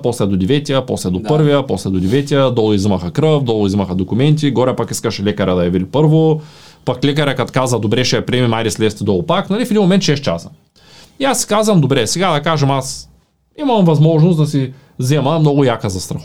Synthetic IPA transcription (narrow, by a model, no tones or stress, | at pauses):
pɔslɛd̪od̪ɛvɛt̪ʲiəpɔslɛd̪opɤɾvijəpɔslɛd̪od̪ʲɛvɛt̪ʲijəd̪ɔlˠizimɐxɐkɾɤfd̪ɔlˠʊizimɐxɐd̪okʊmɛnt̪̬iɡɔɾɛpakiskɐʃɛlɛkɐɾɛd̪ɐjɐviɾipɤɾvopaklɛkɐɾɛkat̪kazvɐd̪obɾɛʃɛjɐpɾiɛmimajɾislɛst̪ɛd̪ɔlˠʊpaknɐlifɛd̪ʲimomɛnt̪ʃɛst̪̚t͡ʃa̰sə̥ | iasːi̥kazvɐmd̪obɾɛsɛɡad̪ɐkaʒɛmas | imɐmvɐzmɔʒnosd̪ɐs̬i | zɛmɐmnɔɡʊjakəzɐst̪ɾɐx